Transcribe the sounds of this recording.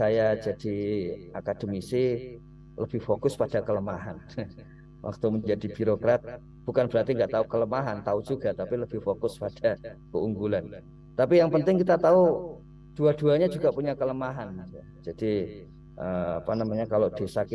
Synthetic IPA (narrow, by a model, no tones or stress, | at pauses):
sajad͡ʒad̥iakad̥əmisi | ləb̥ɪhfokʊspad̥akələmaɦan | wʔa̰k̚t̪uməɲd͡ʒadibiɾokɾat̪̚ | b̥ukanb̥əɾat̪iŋɡaʔt̪aukələmaɦant̪aud͡ʒuɡat̪apiləb̥ɪhfokʊspad̥akəuŋɡulan | t̪apijaŋpənt̪ɪŋkit̪at̪au | d̥uaduaɲad͡ʒuɡapuɲakələmaɦanja | d͡ʒad̥i | ʔəa̰panamaɲakalod̥esak